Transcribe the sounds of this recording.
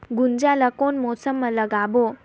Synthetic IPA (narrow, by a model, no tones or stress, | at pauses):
ɡund͡ʒalakoːnmɔsəmːələɡaːbo